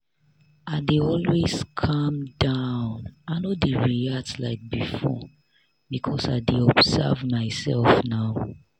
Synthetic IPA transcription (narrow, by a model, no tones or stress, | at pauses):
aɪdeɔlwez̥kʰʌ̃mdaʊ̃naɪnodeɹiatla̰ɪk̚bifɔ̰ | bikʰɔsaɪdeɔbsɛ̰vmaɪsɛ̰lfnaʊ